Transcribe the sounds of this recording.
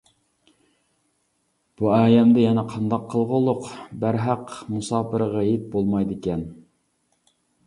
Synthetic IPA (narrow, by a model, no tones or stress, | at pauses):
b̥uɑːjɛmd̪ɛjɛnɛqʰɑnd̪ɑqʰːəlˠʁəlˠʊqbæɾɦɑqmusɑːpʰɨɾəʁɑjip̪̚bolˠmɑjd̪ɪkʲɛn